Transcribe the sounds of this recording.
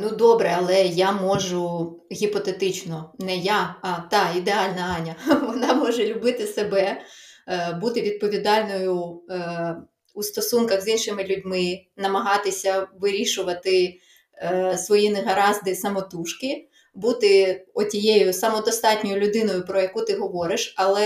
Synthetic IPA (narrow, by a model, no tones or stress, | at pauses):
nud̪ɔbɾɛɐlˠɛjamɔʒʊɣʲipɔt̪et̪ɪt͡ʃnɔnɛjaɐt̪ɑid̪eɑlʲnɐɑnʲɐʋɔnɑmɔʒɛlʲʊbɪt̪ɪsebɛ | but̪ɪʋʲid̪̚pɔʋʲid̪ɑlʲnɔjʊ | ust̪ɔsunkɐɣzinʃɪmɪlʲʊdʲmɪnɐmɐɦɑt̪ɪsʲɐʋɪɾʲiʃʊʋɐt̪ɪ | sʋɔjineɦɐɾɑzd̪ɪsɐmɔt̪uʃkɪ | but̪ɪɔtʲijejʊsɐmɔd̪ɔst̪ɑtʲnʲɔjʊlʲʊd̪ɪnɔjʊpɾɔjɐkut̪ɪɦɔʋɔɾɪʃɐlˠɛ